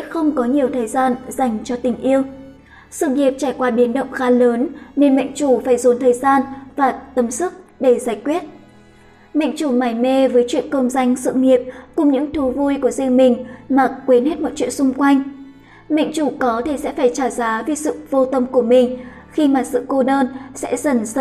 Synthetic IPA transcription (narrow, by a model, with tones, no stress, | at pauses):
ɛ̰˧˥xə˧wŋ͡mkɔ˨˦ɲi˨˩əwt̪ʰəː˨˩jzaː˧nz̥a˨˩jŋ̟t͡ɕɔ˧t̪ï˨˩ŋ̟ʔi˧əw | sɨ̰˧˨ŋi˨˩əp̚t͡ɕaː˧˩jkwaː˧ɓi˨˦ənɗə̰˧˨wŋ͡mxaː˨˦ləː˨˦nne˨˩nmə̰˧˨ŋ̟t͡ɕu˧˩faː˧˩jzo˨˦nt̪ʰəː˨˩jzaː˧nvaː˨˩t̪ə˨˦msɨ˦˥k̚ɗe˧˩zaː˧˩jkwi˦˥ət̚ | mḛ˧˨ŋ̟t͡ɕu˧˩maː˧˩jme˧vəː˨˦jt͡ɕwḭ˧˨ənkə˧mza˧jŋ̟sɨ̰˧˨ŋi˨˩əp̚kʊ˨˩ŋ͡mɲɨ̰˧˥ŋt̪ʰu˨˦vu˧jku˧˩əzi˧əŋmï˨˩ŋ̟maː˨˩kwi˨˦nhe˦˥t̚mɔ̰˧˨jt͡ɕwḭ˧˨ənsʊ˧ŋ͡mkwa˧jŋ̟ | mə̰˧˨jŋ̟t͡ɕu˧˩kɔ˨˦t̪ʰi˧˨˩sɛ̰˧˥faː˧˩jt͡ɕaː˧˩zaː˨˦vi˨˩sɨ̰˧˨vo˧t̪ə˧mku˧˩əmï˨˩ŋ̟ | xi˧maː˨˩sɨ̰˧˨ko˧ɗəː˧nsɛ̰˧˥zə˧˩nz